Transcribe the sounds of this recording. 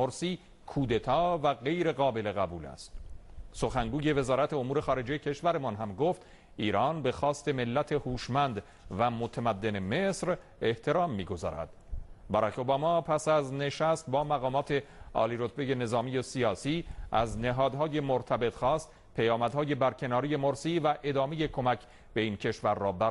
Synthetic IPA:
oɾsiː | kʰuːd̪e̞t̪ʰɒːvæɣe̞jɾe̞ɣɒːbe̞le̞ɣæbuːlæ̰st̪so̞xæŋɡuːje̞ve̞zɒːɾæt̪ʰe̞omuːɾe̞xɒːɾe̞d͡ʒejecʰe̞ʃvæɾemɒnɦæmɡoft̪ | ʔiːɾɒːnbe̞xɒːst̪e̞me̞lːæt̪ʰe̞huːʃmænd̪ | væmot̪ʰæmæd̪ːe̞ne̞me̞sɾ | e̞ht̪ʰe̞ɾɒːmːiːɡo̞zɒ̰ːɾæ̰d̪̥bæɾæko̞bɒːmɒːpʰæsæzne̞ʃæst̪̚bɒːmæɣɒːmɒːt̪ʰe̞ɒ̰ːliɾot̪ʰbe̞je̞ne̞zɒːmijesiɒːsiːʔæzneɦɒːd̪ɦɒːje̞moɾt̪ʰæbe̞t̪xɒːst̪ | pʰejɒːmæd̪hɒːje̞bæɾcʰe̞nɒːɾije̞moɾsiːvæʔe̞d̪ɒːme̞je̞kʰo̞mæcʰ | b̥e̞iːncʰe̞ʃvæɾːɒːbæ

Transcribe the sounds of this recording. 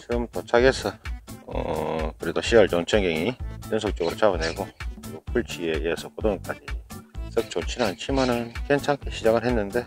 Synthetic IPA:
t͡ɕɯmtot͡ɕʰaɡesʰʌʌ̰kɯɾidoɕʰiʌɭt͡ɕoŋt͡ɕʰʌŋɡeŋit͡ɕɯns̬ʰok̚t͡ɕ͈oɡɯɾot͡ɕabɯne̞ɡokɯɾiɡokʰuɭt͡ɕʰieesʰʌkodoŋk͈ad͡ʑis͈ɯk̚t͡ɕ͈ot͡ɕʰinant͡ɕʰimanɯnke̞nt͡ɕʰaŋkʰeɕʰid͡ʑaɡɯɭɦe̞nːɯnde̞

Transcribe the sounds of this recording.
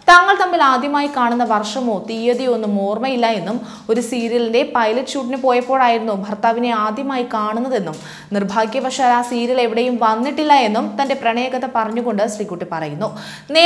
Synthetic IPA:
t̪aːŋːɐɭt̪ɐmːilaːd̪ʱjɐmaːjikaːɳunːɐʋɐrʂɐmo̞ːt̪ijɐðio̞nːumoːrmɐjilːɐe̞nːum | o̞ɾusiːɾjɐlinde̞pɐjlɐɕuːʈ̬ːinɨpo̞ːjɐpːo̞ːɭaːjiɾunːubʱɐrt̪aːʋine̞aːd̪ʱjɐmaːjikaːɳunːɐðe̞nːum | nirbʱaːɡkʲːjɐbʱɐkʂaːlaːsiːɾjɐle̞ʋiɽejumʋɐnːiʈːilːɐe̞nːumt̪ɐnde̞prɐɳɐjɐɣɐt̪ːɐpɐrɐɲːuɣo̞ɳɖɨsrikʲːuʈːɨpɐrɐjunːu | ne

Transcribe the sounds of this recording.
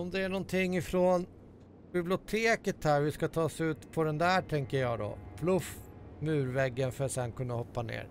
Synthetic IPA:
ɔmd̪ɛæɳɔnt̪ʰɪŋːɪfɾoːn | bɪblɪʊt̪ʰeːkət̪hæːɾvɪskat̪ʰɑːsʉ̟ːt̪pʰɔd̪ɛnd̪æʈʰɛŋkəɾjɑːɡd̪ɔ̰pʰlɵfmʉ̟ːɾvɛɡːənfœɾat̪sɛnːkʰɵnːahɔpːanḛːɾ

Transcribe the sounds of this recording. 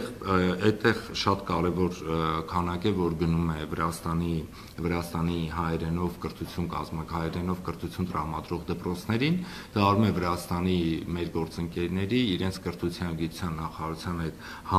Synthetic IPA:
ɛt̪ːɛʁʃɑt̪kɑɾɛvɔɾkʰɑnɑkɛvɔɾɡənumɛvəɾɑst̪ɑni | vəɾɑst̪ɑniɦɑjɾɛnɔvkəɾt̪ʰut͡sʰjunkɑ̰zmhɑjɾɛnɔvkəɾt̪ʰut͡sʰjunt̪əɾɑmɑd̪ɾɔʁd̪əpɾɔt͡sʰn̪ɛɾin | d̪̥ɑɑɾumɛvəɾɑst̪ɑnimɛɾɡɔɾt͡səŋkɛɾnɛɾiːɾɛnt͡sʰkəɾt̪ʰut͡sʰjɑnɡit̪u̥t͡sʰjɑnːɑχɑɑɾut͡sʰjɑnhɛt̪ | hɑ

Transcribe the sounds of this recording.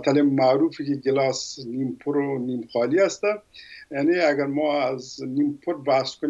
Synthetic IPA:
t̪alɪmːaɾufikiɡɪlɑːsnimpʰʊɾonimxɑliast̪ajaneaɡaɾmɔːaznimpʰʊɾbaskʊn

